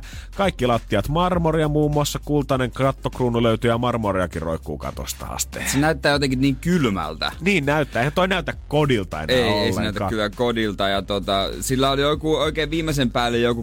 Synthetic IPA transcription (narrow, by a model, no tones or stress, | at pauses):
kɑikːilɑt̪ːiɑt̪mɑrmoriɑmuːmːuɑsːɑkult̪ɑneŋkɑt̪ːokruːnuløyt̪yjɑmɑrmoriɑkiro̰ikːˑṵːkɑ̰t̪o̰st̪ɑ̰ɑ̰st̪ḛsenæyt̪ːæːjot̪eŋkinniːŋkylmæ̰lt̪æ̰niːnnæyt̪ːæːehænt̪oinæyt̪ækkodilt̪ɑ̰ḛneioeilːḛnæˑyt̪æɑ̰kylːækodilt̪ɑjɑt̪ot̪ɑsilːæoljokuoikeːʋʋiːmːesempæːlːejjoku